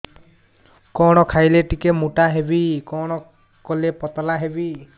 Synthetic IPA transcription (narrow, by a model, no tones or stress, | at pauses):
kɔɽ̃ɔkʰajleʈikemuʈaɦebikɔɽ̃ɔ | kɔlepɔt̪ɔlaɦebi